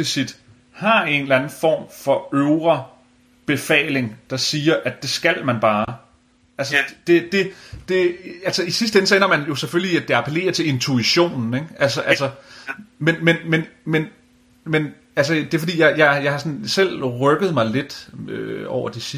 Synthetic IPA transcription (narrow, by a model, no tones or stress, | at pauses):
isid̥ | hɑ̈e̝nlænn̩fɒ̰ːmfɒ̽øʊʁɐ | b̥e̝fɛ̰ːle̝ŋd̥ɑ̈siːɐʔæ̥d̥e̝sɡ̥æl̰mænb̥ɑ̈ː | ʔælsəd̥e̝d̥e̝d̥e̝ælsɐisisd̥əenəsɒ̽en̰ɐmænjo̝sefølliæd̥e̝ɑ̈pʰəle̝̰ːɐt͡sʰe̝le̝nt͡sʰuiɕo̝̰ːnn̩eɡ̥ælsəʔæsɐ | menmenmenmen | men | æls̬əd̥e̝fd̥ḭːjɑ̈ɪjɑ̈ɪjɑ̈ɪhɑsɒ̽nsel̰ʁœɡ̥ð̩ˠmɑ̈ɪle̝d̥øɒ̰ʊ̰ɐd̥isi